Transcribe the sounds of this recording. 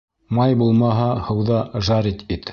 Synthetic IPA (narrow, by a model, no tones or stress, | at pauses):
mɑjbulˠmɑɦɑhɤ̆wðɑʒɑɾit̪bit̪